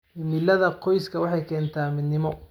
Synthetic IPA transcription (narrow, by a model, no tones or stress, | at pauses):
ɪmɪlɐðɐqʰɔjskʰɐwɑħɑjkʰɛːnt̪ʰaːmɪd̪nɪmɔ